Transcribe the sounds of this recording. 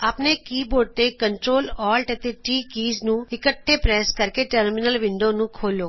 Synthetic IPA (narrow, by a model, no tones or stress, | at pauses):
aːpnekiːboːɖ̚t̪ekəɳʈɾoːlɔːlʈət̪eʈiːkiːznũːɪkəʈʰːepɾɛːskəɾkeʈəɾmɪnəlʋɪɳɖonũːkʰoːloː